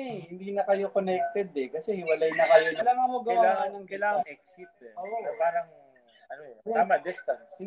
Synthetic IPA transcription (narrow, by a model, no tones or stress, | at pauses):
ɛhɪnd̪iːnɐkɐjo̞konɛk̚t̪ɛd̪ɛkɐsɛhɪwɐlɐjnɐkɐjoɐlaŋɐmoɡɐɐwalaːŋɐnɐŋkɐjlaːŋɐŋʔɛk̚sɪt̪̚ɛʔoʔopaːɾɐŋ | ɐnot̪aːmɐd̪ɛst̪ɐns